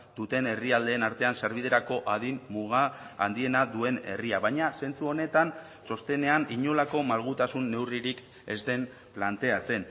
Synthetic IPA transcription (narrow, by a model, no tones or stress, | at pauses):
d̪̥ut̪e̞ne̞riald̪e̞ːnaɾt̪e̞anseɾβið̞e̞ɾako̞ʔað̞imːuɣa̰ːnd̪ie̞naðue̞ne̞̰riaβajɲase̞nt͡suo̞ne̞t̪an | so̞st̪e̞ne̞aniɲo̞lako̞malɣ̞ut̪asunːe̞wriɾik | e̞̰zd̪e̞m | plant̪e̞at͡se̞n